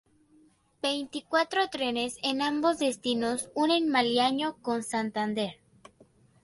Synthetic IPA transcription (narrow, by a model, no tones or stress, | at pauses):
b̥e̞jnt̪ikwat̪ɾot̪ɾe̞ne̞senambo̞zðe̞st̪inosunẽ̞nmaljaɲo̞ko̞nsant̪and̪e̞ɾ